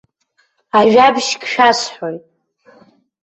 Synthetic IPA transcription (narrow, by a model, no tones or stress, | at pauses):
aʒᶣabʃkʰʃᶣasħojtʼ